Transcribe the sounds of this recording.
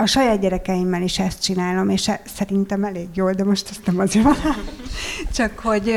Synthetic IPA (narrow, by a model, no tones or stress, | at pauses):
ɒʃɒjaːd̪̚ɟɛɾɛkɛjimːɛliʃɛst̪̚t͡ʃinaːlo̞meːʃɛsɛɾint̪ɛmɛleːɡjoːld̪ɛmo̞ʃt̪ɛst̪nɛmɒzeːɾvɒl | t͡ʃɒkho̞ɟ